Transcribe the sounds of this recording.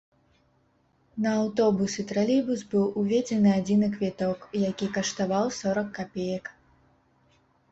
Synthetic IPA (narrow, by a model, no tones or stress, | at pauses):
nɐːwt̪ɔbusɨt̪ɾalʲibusbɨwuvʲed͡zʲɛnɨad͡zʲinɨkvʲɛt̪ɔkjakʲikɐʂt̪avawsɔɾɐkːapʲejɐk